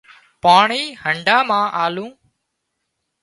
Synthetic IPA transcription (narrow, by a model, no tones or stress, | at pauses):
paːɳiːhəɳɖaːmãːʔaːlũː